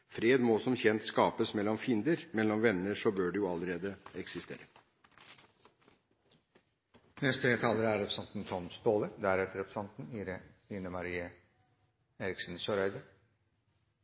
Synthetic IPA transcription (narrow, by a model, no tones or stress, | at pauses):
fɾeːd̪mosɔmçɛnt̪skɑːpəsmɛlːɔmfɪnd̪əɾmɛlːɔmʋɛnːəʂɔbøːɖɛjʊɑləɾeːd̪əɛksɪst̪ḛːɾə | nɛst̪əeːt̪ʰɑːləɾæɾɛpɾəsɑnt̪n̩t̪ʰɔnsd̪oːləd̪æɾɛt̪əɾɛpʰɾə̥sɑnt̪n̩iɾiːnəmɑɾiːə | eːɾɪksn̩søːɾœʏd̪ə